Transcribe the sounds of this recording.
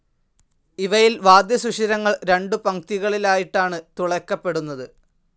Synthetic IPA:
iʋɐjilʋaːd̪jɐsuʂiɾɐŋːɐɭɾe̞ɳɖɨpɐŋt̪iɣɐɭilaːjiʈːaːɳɨt̪uɭɐkːɐpːe̞ɽunːɐðɨ

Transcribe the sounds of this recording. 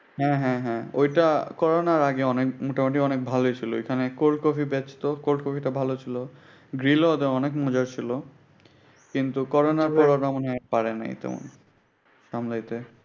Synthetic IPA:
ɦɛ̃ɦɛ̃ɦɛ̃ojʈakɔɾonaɾaɡeɔnekmoʈamoʈʰiɔnek̚bʱalojt͡ɕʰilo̰ḛkʰanekol̚kɔfʰibɛt͡ɕt̪okolkofʰiʈabʱalot͡ɕʰilo | ɡɾilod̪eɔnekmɔd͡ʑaɾt͡ɕʰilo | kint̪ukɔɾonaɾpɔɾoɾamonpaɾena̰jt̪ɛ̰mo̰n | ʃamlajt̪e

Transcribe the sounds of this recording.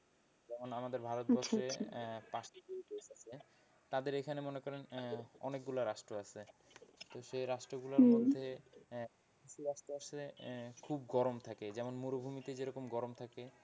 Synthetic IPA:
d͡ʑɛmonamad̪eɾbʱaɾot̪̚bɔʃɾepaʃibeideʃat͡ɕʰe | t̪ad̪eɾekʰanemonekɔɾenɔ̰nek̚ɡulaɾaʃʈɾoasʰet̪oʃeɾaʃʈɾoɡulaɾmod̪ʱːe | iʃiɾaʃʈoaʃekʰub̚ɡɔɾomt̪ʰaked͡ʑɛmonmuɾobʱumit̪ed͡ʑeɾɔkomɡɔɾomt̪ʰake

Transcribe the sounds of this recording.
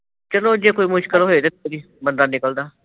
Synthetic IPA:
t͡ʃəlõːd͡ʒeːkoːiːmʊʃkɪlɦoːet̪ət̪ːod̪iː | mənd̪aːnɪkəld̪aː

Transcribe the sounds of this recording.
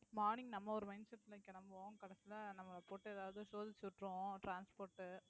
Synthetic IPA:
maːɾnɪŋɡnɐmːɐɔɾɯmɐɪnsɐʈːɪlɐkːɛnɐmbɐõkɐɽɐsɪlɐnɐmːɐpoːʈːɯɛðaːʋɐðɯsoːðɪt͡ʃːɯʋɪʈɾʊ̃ʈɾaːnspoːɾʈːɯ

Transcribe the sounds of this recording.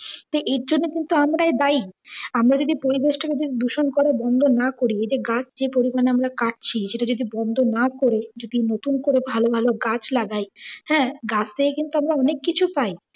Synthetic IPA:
t̪oʔeɾd͡ʑonːekint̪uamɾaed̪ajamɾad͡ʑod̪ipoɾibeʃʈaked͡ʑod̪id̪uʃonkɔɾabɔnd̪ʱonakoɾied͡ʑeɡat͡ɕʰd͡ʑepoɾimaneamɾakaʈ̚t͡ɕʰiʃeʈad͡ʑod̪ibɔnd̪ʱonakoɾed͡ʑod̪inot̪unkoɾebʱalobʱaloɡat͡ɕʰlaɡajhɛ̃ːɡat͡ɕʰt̪ejkint̪uamɾaɔnekːit͡ɕʰupaj

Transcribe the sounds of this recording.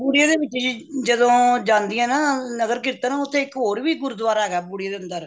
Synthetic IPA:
buːɽijaːd̪eːʋɪt͡ʃːd͡ʒiːd͡ʒəd̪õːd͡ʒãːnd̪ɪjãːnaːnəɡəɾkɪɾt̪ãːnãːʊt̪ʰːẽːɪkɦoːɾʋiːɡʊɾʊd̪ʋaːɾɦɛːɡaːbuːɽijaːd̪eːənd̪əɾ

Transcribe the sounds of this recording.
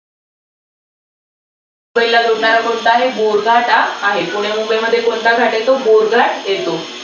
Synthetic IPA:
ubəilːaɡ̪ɾuɳaɾakoɳt̪aaɦeboɾɡʱaʈaːɦepuɽ̤̃emubeməd̪ʱːjekoɳt̪aɡʱaʈet̪oboɾɡʱaʈjet̪o

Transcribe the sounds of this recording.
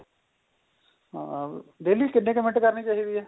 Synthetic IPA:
ɦã̰d̪eːlikɪnːekemɪ̃ʈkɐɾnit͡ʃaːɦid̪iɦɛː

